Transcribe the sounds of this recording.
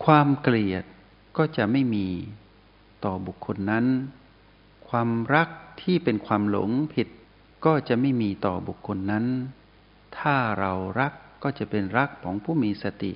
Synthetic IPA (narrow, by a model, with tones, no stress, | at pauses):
kʰwaː˧mkli˨˩ət̪̚ | kɔː˥˩t͡ɕa˨˩ʔma˥˩jmiː˧ | t̪ɔː˨˩bu˨˩kʰːo˧nːa˦˥n | kʰwaː˧mɾa˦˥k̚t̪ʰiː˥˩pe˧nkʰwaː˧mlo̰˨˩˦ŋpʰi˨˩t̪̚ | kɔː˥˩t͡ɕa˨˩ʔma˥˩jmiː˧t̪ɔː˨˩bu˨˩kʰːo˧nːa˦˥n | t̪ʰaː˥˩ɾa˧wɾa˦˥kːɔː˥˩t͡ɕa˨˩pe˧nɾa˦˥kʰːɔː˩˦ŋpʰuː˥˩miː˧sa˧t̪ḭ˨˩ʔ